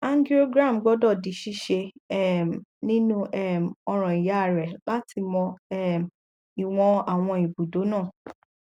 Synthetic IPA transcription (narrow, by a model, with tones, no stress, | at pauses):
a˦ndi˦o˦ɡɾa˦˨m˨ɡ͡bɔ˦dɔ˦˨di˨˦ʃi˦ʃe˧ɛ˦˨nĩ˦nũ˦ʔɛ˦˨m˨ɔ˧ɾ̃ɔ̃˨i˨ja˨˦˨ɾɛ˨la˦tʰi˧mɔ̃˧ɛ˦m | i˨w̃ɔ̃˧a˨w̃ɔ̃˧i˨bu˨do˨˦nãː˦˨